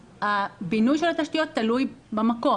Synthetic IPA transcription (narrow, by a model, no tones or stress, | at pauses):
abinujʃelhat̪aʃtijo̞t̪ːalujbamako